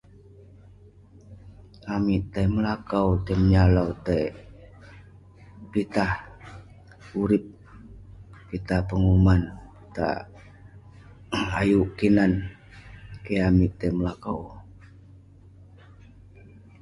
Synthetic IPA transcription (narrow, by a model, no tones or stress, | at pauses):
amiʔt̪ajməlakawt̪əməɲalawt̪aj | pit̪ah | uɾɪp̚ | pit̪ahpəŋumanit̪a̰ | ajuʔkinan | keamiʔt̪əməlakaw